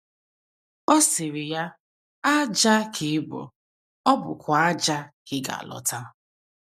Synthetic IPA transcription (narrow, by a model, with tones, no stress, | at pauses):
ɔ˦sɪ˨ɾɪ˨ja˦ | a˦d͡ʒa˦kʰɪ˨˦bʊ̰˨ | ɔ˦bʊ̰˨kʷa˨a˦d͡ʒa˦kɪ˦ɡa̰˨a̰˨lɔ̰˨ta˦